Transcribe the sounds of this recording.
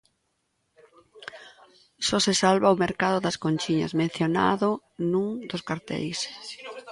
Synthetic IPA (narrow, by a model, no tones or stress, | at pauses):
sɔsesalβaʊmeɾkaðʊðɐskonʲt͡ʃiɲɐ̰zmẽn̟θjona̰ðʊ | nũŋd̪ʊskaɾt̪ɛ̰js